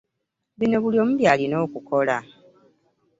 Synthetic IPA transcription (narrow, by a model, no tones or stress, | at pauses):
βino̞βuljo̞ːmuβjaːlino̞ːkuko̞la